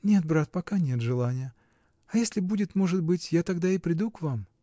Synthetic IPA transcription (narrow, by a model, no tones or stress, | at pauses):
nʲe̞t̪̚bɾat̪̚pɐkanʲe̞t̪ʐɨlˠanʲɪjə | ɐjesʲlʲɪbudʲɪt̪mo̞ʐɨt̪̚bɨtʲjat̪ɐɡd̪aɪpɾʲɪd̪ukvam